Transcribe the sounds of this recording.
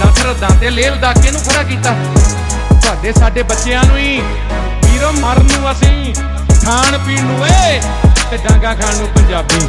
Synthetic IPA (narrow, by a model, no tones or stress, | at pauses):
asɾəd̪ãːt̪eːleːld̪aːkːẽːnũːkʰəɽaːk̬iːt̪aː | t̪aːɖeːsaːɖeːbətːʃeːãːnũːiː | iːɾoːməɾnũːəsĩː | kʰaːɳpiːɳɦoːeː | t̪eːɖãːɡãːkʰaːɳõːpəɲd͡ʒaːbiː